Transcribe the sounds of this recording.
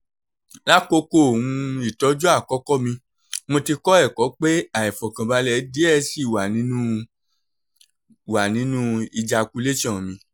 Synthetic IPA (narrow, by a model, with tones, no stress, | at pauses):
la˦ko˧ko˦˨ũ˧˨˧i˨tɔ˨˦d͡ʒu˦a˦˨kɔ˦kɔ˦mĩ˧ | mõ˧ti˧kɔ˦ɛ˦˨kɔ˨˦k͡pe˦a˨ɛ˨fɔ˨kã˨ba˧lɛ˨˦di˦ɛ˦˨˦si˦˨wa˨nĩ˨˦nũ˦˨ | wa˨nĩ˨˦nũ˦i˧d͡ʒa˧ku˧˦le˦ʃã˦˨mĩ˧